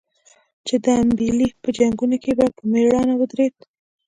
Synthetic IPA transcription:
t͡ʃed̪əambilipəd͡ʒaŋɡunokebapəmeɽɑnawəd̪ɾed̪

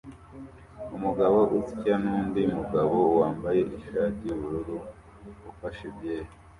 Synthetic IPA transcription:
umuɡaβo̞ʔuzicanuːndiumuɡaβo̞waːmbaje̞ʔiʃaːtiuβuɾuɾu | ufaʃebjeːho

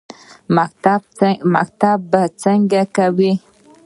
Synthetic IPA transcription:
ma̰k̚t̪abːət͡səŋɡɛkawe

